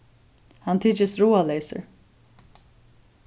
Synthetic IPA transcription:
hant̪ʰiːt͡ʃɪsɾuːaleːsə̰ɹ

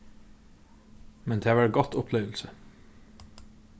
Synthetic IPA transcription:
mɛnd̪ʰeːʋɑːɹɡɔt̪ʊpʰleːʋl̩sə

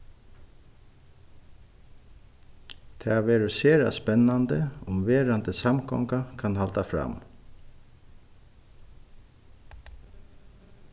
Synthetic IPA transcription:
t̪ʰɛːaʋeːɾɪseːɾa̰spɛnːand̪əʊmʋeːɾant̪əsamkʰɔ̰ŋkakʰanhalt̪afɾa̰m

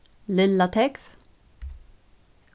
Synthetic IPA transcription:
lɪlːat̪ʰɛkf

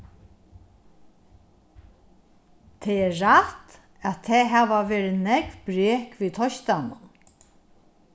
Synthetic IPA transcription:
t̪ʰɛːɛːaht̪ | æt̪ʰeːɦæːʋaʋeːɾɪnɛkbɾeːkʋiːt̪ʰɔʃt̪anʊn

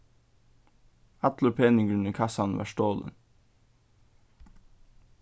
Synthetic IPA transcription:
ɑt̪ləɾpʰeːnɪŋɡɾʉɳəkʰɑsɑnʋɑ̰ːʃtoːlə̰n

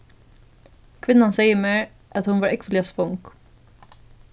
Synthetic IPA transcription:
kʰʋɪnːansɛɪjəmeːɹ | ʔæt̪hʊnʋɑːɾʔɛkʋəlɪaspɔŋk

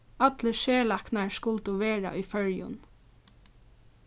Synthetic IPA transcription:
at̪ləʃeːlaknaɹskʊlt̪ʊʋeːɹa̰ʔujfœɹjʊ̰n

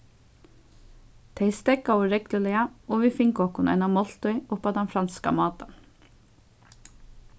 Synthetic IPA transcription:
t̪ʰeɪst̪ɛkɑoːɾɛkləlɪɑoːʋiːfɪŋkɔkʊnʔɛ̰ɪnɑmɔlt̪œʏʊpɑt̪ɛnfɾɑnskɑ̰mɑːt̪ɑn

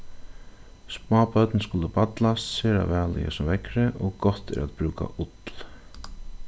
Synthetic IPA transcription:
spaːpœt̪nskʊləpat̪last̪seːɾa̰vɛːlɪjə̰sɔmvɛkɾɪʔɔɣɡɔht̪ɛ̰ɾaðbɾuːka̰ʔʊt̪l

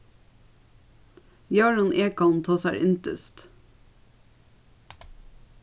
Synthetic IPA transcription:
jɑːɹɑnʔeːkɑnt̪ʰɑːsæ̰ːɾʔɪnt̪ə̰st̪

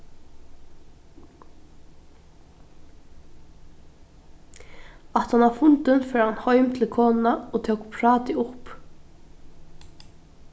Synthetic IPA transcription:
at̪hanʋafʊnt̪ənfœːɾhanhɔʏmt̪ʰɪlkʰoːnnaoːt̪ʰowkpʰɾɑːt̪ɪʊp

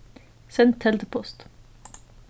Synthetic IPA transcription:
sɛnt̪ʰːɛld̪əpʰɔst̪

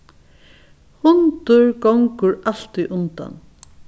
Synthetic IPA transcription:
hʊnt̪ʊɹɡɔŋkʊɹal̥t̪ʏʔʊnt̪a̰n

